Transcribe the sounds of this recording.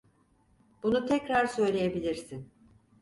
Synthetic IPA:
b̥unut̪ʰɛcɾaɾsø̞jlʲejebilʲiɾsin

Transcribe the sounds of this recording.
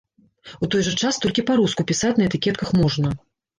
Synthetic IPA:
ut̪ɔjʐɐt͡ʂast̪ɔlʲkʲipaɾuskupʲisat͡sʲnɐɛt̪ɨkʲɛt̪kɐxmɔʐnɐ

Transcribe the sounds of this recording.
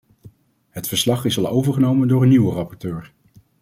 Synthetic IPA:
ɦətfəɹslɑχɪsɑlˠo̰wvəɹχənowməndʊːɹənːywərɑpɔɹtøːɹ

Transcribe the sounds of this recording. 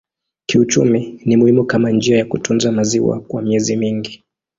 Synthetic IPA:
kiut͡ʃuminimuhimukamand͡ʒiajakutunzamaziwa̰kwamiɛzimiŋɡi

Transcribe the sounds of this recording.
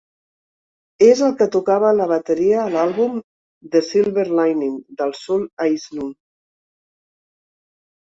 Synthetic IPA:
ezəlˠkət̪ukaβ̞ələβ̞ət̪əɾiəːlalˠβum | d̪əsilˠβəɾlajnind̪əlˠsɔlajznu

